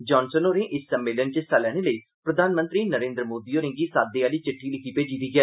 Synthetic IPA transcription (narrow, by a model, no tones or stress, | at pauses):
d͡ʒɔːnsənoːɾẽːʔɪsːəmːɪːlənt͡ʃəst̪aːlɛːɽ̃eːləiː | pɾəd̪ʱaːnmə̃nt̪ɾiːnəɾẽːnd̪ɾəmoːd̪iːoːɾɪ̃ŋɡiːsaːd̪eːaːliːt͡ʃɪʈʰːiːlɪkʰiːpeːd͡ʒiːd̪iːɡɛː